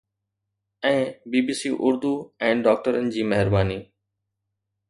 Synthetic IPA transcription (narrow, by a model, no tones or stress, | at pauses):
ɛ̃ːbiːbiːsiʔʊɾd̪uɛ̃ːɖɔːk̚ʈəɾənɪ̆d͡ʑiːmɐɦɪɾbaːniː